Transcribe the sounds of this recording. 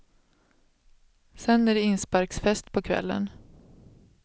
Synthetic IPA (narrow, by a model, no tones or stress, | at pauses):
sɛnːæɖɛɪnspɑɾksfɛst̪pʰɔkʰvɛ̰lːə̰n